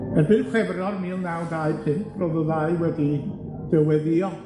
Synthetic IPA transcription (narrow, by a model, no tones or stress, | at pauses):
ənbɪnkʰweːbɾnɔɾmiːlˠnawdaɨpʰɪntrɔðəðajwɛdi | d̥ɛwɛðiɔ